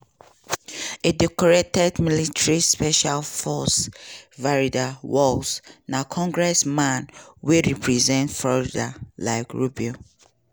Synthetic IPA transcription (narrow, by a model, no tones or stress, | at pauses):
edɛkɔɹetɛdmilitɹispɛʃalfɔsvaɹidawɔlsnakʰɔ̃ŋɡɹɛsmãnweɹipʰɹizɛ̃ntfɹɔɹidalaɪkɹubio